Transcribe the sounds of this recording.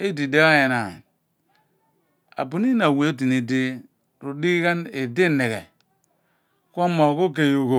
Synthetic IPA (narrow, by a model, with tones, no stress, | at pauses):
e˦di˨de˦a˦je˨na˨ | a̰˨bu˨ni˦na˨we˨˦o˦t̬i˨ne˨de˦ | ɾu˨di˦i˦ka˦ne˨de˦˨ne˨ɣḛ˨ | ko˦mo˨ko˦k̬e˦˨jo˨ko˨